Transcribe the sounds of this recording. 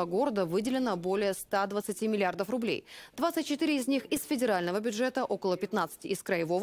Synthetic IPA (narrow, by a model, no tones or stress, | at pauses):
əɡo̞ɾəd̪əvɨdʲɪlʲɪnəbo̞lʲɪjəst̪ad̪vət̪sɨtʲimʲɪlʲɪard̪əfrʊblʲḛjd̪vat̪sɨtʲt͡ɕːɪt̪iɾʲɪɪzʲnʲixɪsfʲɪdʲɪɾalʲnəvəbʲʊdʐɛt̪əʔo̞kəlˠəpʲɪt̪nat̪sɨ̥tʲɪɪskɾəjɪvo̞v